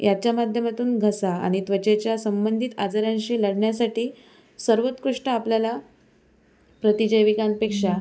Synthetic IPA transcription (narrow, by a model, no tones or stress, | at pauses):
jat͡ɕjamad̪ʱjəmat̪uːnɡʱəsa̰ːɽ̃it̪ʋət͡ɕet͡ɕjasəmbənd̪ʱit̪ad͡zaɾjãɲɕiːləɽɳjasaʈiː | səɾʋət̪kɾuʂʈəapljala | pɾət̪id͡ʑəjʋikanpekʂa